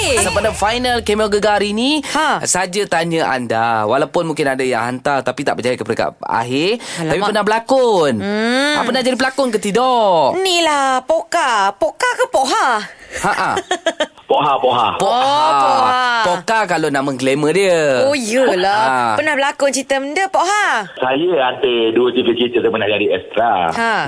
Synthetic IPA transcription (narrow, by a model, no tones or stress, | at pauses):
sapadafajnalkemiɔlɡəɡaɾiniasad͡ʒat̪aɲəʔa̰ndawalawpʊnmũŋkɪnadajã̰ŋɦa̰nt̪art̪apit̪aʔbəd͡ʒajkəpɾəka̰ʔa̰ɦɪapippənahbəlakʊnappənaʔd͡ʒadipəlakʊnkət̪idɔʔnilapokapokakapoʔɦahaʔa | poɦapoɦa̰poʔhaapoapokakalonaməŋklemədiəojəlaapənahbəlakʊnt͡ʃit̪əməndəpoʔɦasajəant̪əduət̪iɡət͡ʃit̪ət̪əpənahd͡ʒadiɛst̪ɾaha